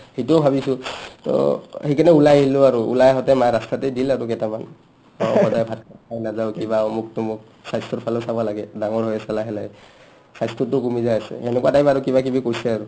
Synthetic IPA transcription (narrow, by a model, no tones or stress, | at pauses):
hetubʱabisʊtɔ̰hikʰanɛulajɦilʊaɹṵːlajɦɔtɛmajɹastatɛdilaɹukɛtaman | ɔɔtajbʱat̚kaajnazaʊkibamʊk̚tʊmʊk̚ | sajstʰɔtpʰalɔsabɔlaɡɛdaŋɔɹɦɔjɛsalaɦɛlaj | sajstʰɔtʊkumizajasɛ̰ɛnɛkuwatajbaɹukibak̬ibikojsɛaɹu